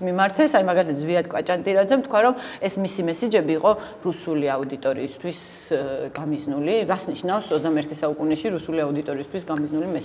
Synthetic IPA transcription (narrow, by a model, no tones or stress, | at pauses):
mimaɾt̪ʰɛsaimaɡalit̪ʰat̪zviad̪̚kʼwat͡ʃʼant̪ʼiɾad̪zɛmt̪ʰkʰwaɾɔm | ɛsmisimɛsid͡ʒɛbiːqʼɔ | ɾusuliaud̪it̪ʼɔɾḭːst̪ʰwis | ɡ̥amiznuliɾasniʃnafsɔzd̪amɛɾt̪ʰɛsaukʼunɛʃiɾusuliaud̪it̪ʼɔɾiːst̪ʰwisɡamiznulimɛ